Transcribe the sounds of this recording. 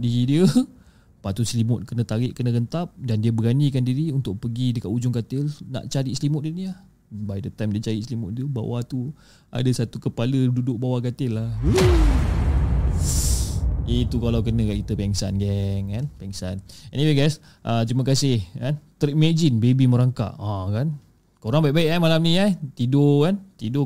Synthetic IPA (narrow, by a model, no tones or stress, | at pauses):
diɾidiə | pat̪ut̪̚slimʊt̪̚kənət̪aɾɪʔkənəɡənt̪ap̚dandiəbəɡanikandiɾiunt̪ʊʔ̚pəɡidəkaʔud͡ʒʊŋkat̪ɪlna̰ʔt͡ʃaɾislimʊt̚diəniah | bajdət̪ajmdiət͡ʃaɾiʔslimʊʔ̪̚dəba̰wat̪u | a̰dasat̪ukəpalədudʊʔ̚bawakat̪ɪlːahə | it̪ukalawkənə̃kaʔit̪əpɛŋsa̰nɡɛŋkanpɛŋsanɛ̰niweɡajs | ʔət̪ɾiməkasɪhkant̪ɾimed͡ʒinbebiməɾaŋka̰ʔãkan | koɾaŋbaiʔbaɪʔamalamnĩat̪idokant̪ido